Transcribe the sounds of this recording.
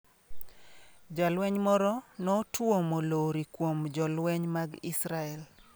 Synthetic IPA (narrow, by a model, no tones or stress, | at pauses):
d͡ʒalwɛɲmɔɾɔnɔtwomoloɾikwomd͡ʒɔlwɛɲmaɡisɾaɛl